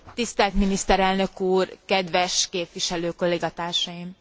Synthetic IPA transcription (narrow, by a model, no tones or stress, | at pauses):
t̪ist̪ɛlt̪minist̪ɛɾɛlnø̞kuːrkɛd̪ʋɛʃkeːpʋiʃɛløːko̞lːeːɡɒt̪aːrʃɒjim